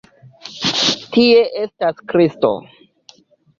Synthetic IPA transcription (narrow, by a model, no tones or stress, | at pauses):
tie̞ʔe̞staskɾisto̞̰